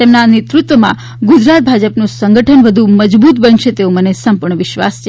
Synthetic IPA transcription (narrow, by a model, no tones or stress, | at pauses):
t̪emnanet̪ɾut̪ʋəmã̰ | ɡud͡ʒɾat̪̚bʱad͡ʒəpnũsə̃ŋɡəʈʰənʋəd̪ʱũməd͡ʒbut̪bənʃet̪eomənesəmpuɾɳəʋɪʃʋa̰st͡ʃʰe